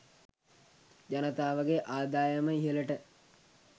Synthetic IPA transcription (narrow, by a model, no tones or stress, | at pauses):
d͡ʒanət̪aːʋəɡeʔaːd̪aːjəməiɦələʈə